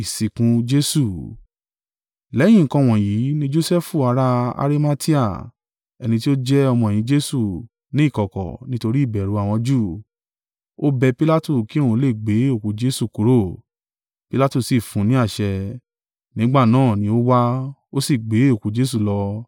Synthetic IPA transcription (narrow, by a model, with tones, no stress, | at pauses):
i˨si˨kũ˧˦d͡ʒe˦su˦˨ | lɛ̃˨˦ĩ˦˨kã˧˨w̃ɔ̃˨ji˨˦nĩ˦d͡ʒo˦sɛ˦fu˦˨a˨˧˦ɾa˧˦a̰˧ɾi˦ma˦ti˦a˦˨ | ɛ˧nĩ˧t̬i˦o˦d͡ʒɛ˦ɔ˧mɔ̃˧e˨jĩ˨˦d͡ʒe˦su˦˨ | nĩ˦i˦˨kɔ˨kɔ̰˨nĩ˦to˧ɾi˦i˦˨bɛ˨ɾu˨˦a˦˨w̃ɔ̃˧d͡ʒu˦˨ | o˦bɛ˧pi˦la˦tu˦˨ki˦o˦˨ũ˧˦le˦˨ɡ͡be˨˦o˦˨kũ˨˦d͡ʒe˦su˦˨ku˨˦ɾo˦˨ | pi˦la˦tu˦˧˨si˨fũ˨˦nĩ˨˦a˦˨ʃɛ˧ | nĩ˦ɡ͡ba˦˨nãː˦˨nĩ˧˦o˦wa˦o˦si˦˨ɡ͡be˨˦o˦˨ku˨˦d͡ʒe˦s̬u˦˨lɔ˧